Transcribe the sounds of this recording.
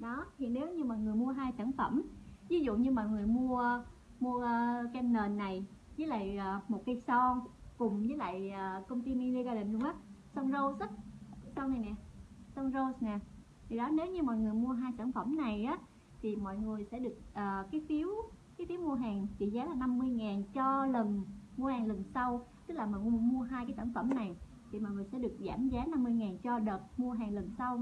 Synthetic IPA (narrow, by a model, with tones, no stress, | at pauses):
ɗɔ˨˦hḭ˧˨əne˨˦wɲɨ˧mɔ̰˧˨jŋɨ˨˩əjmu˧əɦaː˧jsaː˧˩nfə˧˩mvi˨˦zṵ˧˨ɲɨ˧mɔ̰˧˨jŋɨ˨˩əjmu˧ə | mu˧ə˧kɛ˧nnəː˨˩nːa˨˩jzəː˨˦jla̰ː˧˨jʔəː˨˩mo˨˩t̚ka˧jsɔ˧kʊ˨˩ŋ͡mzəː˨˦jla̰ː˧˨jaː˨˩kə˧wŋ͡mt̪i˧mi˧li˧ɣaː˧lə˨˩nzʊ˧wŋ͡mʔaː˨˦sɔ˧nzo˧sə˦˥t̚sɔ˧na˨˩jnɛ˨˩sɔ˧nzo˧snɛ˨˩ | t̪ʰi˨˩ɗɔ˨˦ne˨˦wɲɨ˧mɔ̰˧˨jŋɨ˨˩əjmu˧əɦaː˧jsaː˧˩nfə˧˩mna˨˩jʔaː˨˦ | t̪ʰi˨˩mɔ̰˧˨jŋɨ˨˩əjsɛ̰˧˥ɗɨ˨˩ək̚ʔəː˨˩kaː˨˦jfi˨˦əwkaː˨˦jfi˨˦wmu˧əɦaː˨˩ŋt͡ɕḭ˧˩zaː˨˦laː˨˩na˧mːɨ˧əjŋaː˨˩nt͡ɕɔ˧lə˨˩nmu˧əhaː˨˩ŋlə˨˩nsa˧wt̪ɨ˦˥k̚laː˨˩mɔ̰˨m˧mu˧əɦaː˧jkaː˨˦jsaː˧˩nfə˧˩mna˨˩j | t̪ʰi˨˩mɔ̰˧˨jŋɨ˨˩əsɛ̰˧˥ɗɨ˨˩ək̚zaː˧˩mzaː˨˦na˧mːɨ˧əjŋaː˨˩nt͡ɕɔ˧ɗəː˨˩t̚mu˧əɦaː˨˩ŋlə˨˩nsa˧w